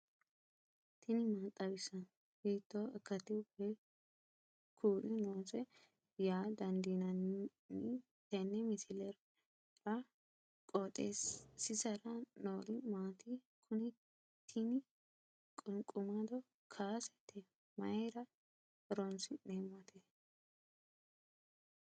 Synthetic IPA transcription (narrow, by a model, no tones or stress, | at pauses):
t̪ʰɪnɪmaːt̪ʼːɐbɪsɐn | biːt̪ːoɛkːɐt̪ɪbe | kʰuːlɪnoːsɛ | jaːd̪ɐnd̪inɐn | nɪ | t̪ɛnːɛmɪsɪlɛɾ | ɾɐ | kʼoːt̪ʼessɪsɐɾɐnoːlɪmaːt̪ɪ | kʰʊnɪ | t̪ʰːɪnɪ | kʼʊŋkʼʊmɐd̪ɔ | kʰaːsɛ̥t̪ːɛ | mɐɾɐ | ɾɔnsɪneːmːɐt̪ʰe